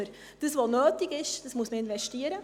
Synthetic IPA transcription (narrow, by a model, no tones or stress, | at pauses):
əɾ | d̥əsʋonøːtɪɡɪʃd̥əsmuəsməɪnvɛʃtiəɾə